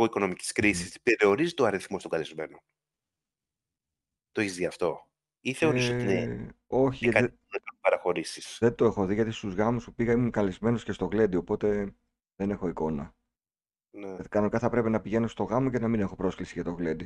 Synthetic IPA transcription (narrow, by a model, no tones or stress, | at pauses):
oiko̞no̞mici̥skɾisist̪i̥peɾio̞ɾizit̪oɐɾiθmo̞st̪oŋɡɐlizme̞no | t̪oeçizðiɐft̪o̞ | iθeoiseo̞çiʝɐt̪ɐi | ɐkɐpɐɾɐxo̞ɾisi̥sðed̪oe̞xo̞ðiʝɐt̪ist̪uzɣɐmuspupiɣɐimumkɐlizme̞no̞sce̞st̪o̞ɣle̞d̪io̞po̞t̪e̞ | ðe̞ne̞xo̞iko̞nɐ | nekɐno̞nikɐθɐpɾe̞pinɐpiʝe̞no̞st̪o̞ɣɐmo̞ce̞nɐmine̞xo̞pɾo̞sklisiʝɐt̪o̞ɣle̞d̪i